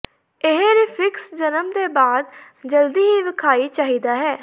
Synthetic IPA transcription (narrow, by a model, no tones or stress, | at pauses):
ɪɦɾɪfʰɪksd͡ʒənəmd̪eːbaːd̪ | d͡ʒəld̪iːɦiːʋɪkʰaːiːt͡ʃaːɦiːd̪aːɦɛː